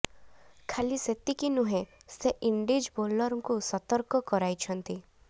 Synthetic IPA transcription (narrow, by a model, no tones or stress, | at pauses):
kʰaliset̪ikinuɦẽseʔiɳɖid͡ʒbolːɔɾɔŋkusɔt̪ɔɾkɔkɔɾajt͡ʃʰɔnt̪i